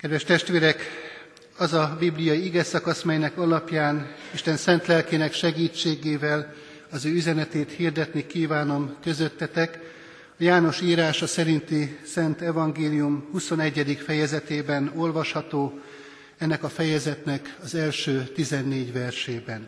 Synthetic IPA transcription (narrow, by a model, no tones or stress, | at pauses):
kɛd̪vɛʃt̪ɛʃt̪ʋeːɾɛk | ɒzɒbiblijɒjiiɡɛsɒkɒsmɛjnɛkɒlɒpjaːniʃt̪ɛnsɛnt̪lɛlkeːnɛkʃɛɡiːt͡ʃːeːɡeːvɛl | ɒzøːyzɛnɛt̪eːt̪hird̪ɛt̪nikiːvaːno̞mkø̞zø̞t̪ːɛt̪ɛk | ɒjaːno̞ʃiːɾaːʃɒsɛɾint̪isɛnt̪ɛvɒŋɡeːlijumhuso̞nɛɟːɛd̪ikfɛjɛzɛt̪eːbɛno̞lvɒʃhɒt̪oː | ɛnːɛkɒfɛjɛzɛt̪nɛkɒzɛlʃøːt̪izɛnːeːɟvɛrʃeːbɛn